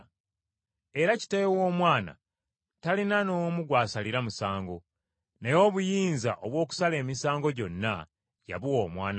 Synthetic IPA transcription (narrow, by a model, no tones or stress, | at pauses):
e̞ɾaci̥tejewoːmwaːna̰ | talinanomuɡwaːsaliɾamusaːŋɡo̞ | nejo̞ːβujiːnza̰ʔoβwo̞ːk̬u̥sale̞ːmisaːŋɡo̞ɟo̞nːa | ja̰βuwo̞ːmwaːna